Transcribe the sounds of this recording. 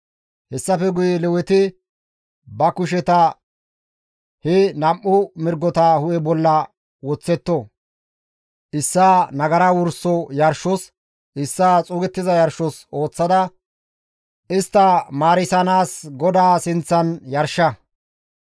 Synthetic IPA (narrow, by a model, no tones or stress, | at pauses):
hɛsːɐfɛɡʊjɛlɛwɛt̪ɪ | bɐkʊʃ̬ɛt̪ɐ | hɛnɐmʔʊmɪɾɡːɔt̪ahʊʔɛbɔlːɐ | wɔt͡sːɛt̪ːɔ | ʔɪsːaːnɐɡɐɾawʊɾsːɔjɐɾʃɔs | ʔɪsːaːt͡sʼuːɡɛt̪ːɪzɐjɐɾʃːɔso̞ːt͡sːɐd̪ɐ | ɪst̪ːɐmaːɾɪsɐnaːsɡɔd̪aːsɪnt͡sːɐnjɐɾʃːɐ